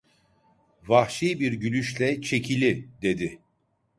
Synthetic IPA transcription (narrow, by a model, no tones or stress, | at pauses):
vaxʃijbiɾɟylʲyʃlʲɛt͡ʃʰe̞cʰilʲid̪e̞d̪ɪ